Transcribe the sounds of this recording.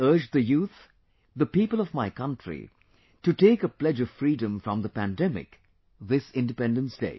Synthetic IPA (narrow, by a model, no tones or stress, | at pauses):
ɜ˞d͡ʒðɨjuːt̪ | ðəpipəlˠʌvmaɪkʌ̃ntɹḭ | tɨʈeːkəplɛd͡ʒʌv̥fɾiːdə̃mfɹʌ̃mðəpæ̃ndɛmɪ̰k | ðɪsɪ̃ndɨpɛ̃ndə̃nsd̥eɪ